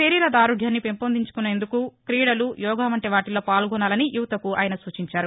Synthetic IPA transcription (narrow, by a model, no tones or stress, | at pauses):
eːɾiːlɐd̪aːɾuɡʱjaːnːipempond̪iɲt͡ʃu̥kuneːnd̪ukukɾiːɽɐlujɔːɡaːmɐɳʈeʋaːʈilo̞ːpaːlɡɔnaːlɐnijuʋt̪ɐkua̰ːjɐnɐsuːt͡ʃiɲt͡ʃaːɾu